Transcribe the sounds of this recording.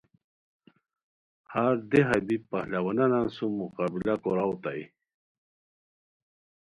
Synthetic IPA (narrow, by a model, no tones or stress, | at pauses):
haɾd̪eɦabipahlawananansumuqabilakoɾawt̪aj